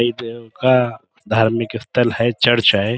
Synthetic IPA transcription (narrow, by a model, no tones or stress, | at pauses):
id̪eoka | d̪ʱaːɾmɪkɪst̪ʰəlɦɛt͡ʃəɾt͡ʃaɦɛ